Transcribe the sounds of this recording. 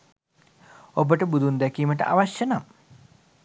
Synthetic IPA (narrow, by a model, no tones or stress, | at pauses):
obəʈəbud̪und̪ækiːməʈə̰ʔa̰ʋaʃjənam